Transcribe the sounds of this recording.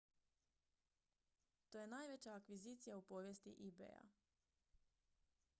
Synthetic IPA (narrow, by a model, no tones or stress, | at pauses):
t̪oje̞naːjʋet͡ɕaːkʋizit̪sijaupo̞ːʋjest̪iʔibḛja̰